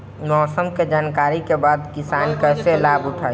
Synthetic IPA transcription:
mɔːsəmked͡ʒaːnkaːɾikebaːd̪kɪsaːnkəselaːbʊʈʰaː

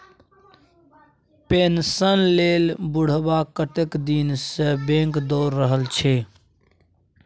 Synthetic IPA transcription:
peːnsənleːlbʊɽ̤bakəʈɪkd̪iːnsebẽːŋkd̪oːɾːəɦəlt͡ʃʰeː

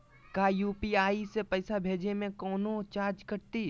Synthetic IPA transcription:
kajuːpiaːisepəɪsabʱeːd͡ʒemẽkɔːnot͡ʃaːɾd͡ʒkəɾt̪i

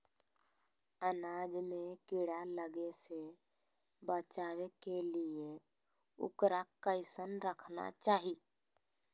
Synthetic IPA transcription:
ənaːd͡ʒmẽkɪɽaləɡese | bət͡ʃaːwekelie | ʊ̰kɾakəɪsənɾəkʰna̰t͡ʃaːɦi

